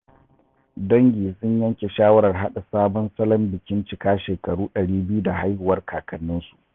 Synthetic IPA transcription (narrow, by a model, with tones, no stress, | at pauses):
dɐ˦ŋɡʲiː˨sʊ˦ɲjɐ˦ŋkʲe˨ʃaː˦wɐ˦ɾɐ˨rɦa˦ɗa˨saː˦bɔ˦nsɐ˦lɐ˦mbɪ˨kʲɪ˦nt͡ʃɪ˨kaː˦ʃeː˨kɐ˨ɽuː˦ɗɐ˨ɽiː˦bɪ˦ju˦da˨ɦa˦jhʊ˨wɐ˦rkʰaː˨kɐ˨nːɪ˦nsu̥˨ʔ